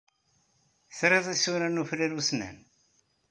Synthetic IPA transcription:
θɾeðˤæsuɾænufɾiɾusnæ̰n

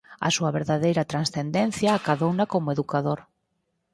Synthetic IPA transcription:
ɐ̰suɐβeɾðaðejɾɐt̪ɾansθend̪enθjaːkaðownɐkomʊeðukaðoɾ

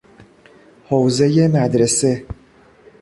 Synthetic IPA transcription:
howze̞je̞mæd̪ɾese̞

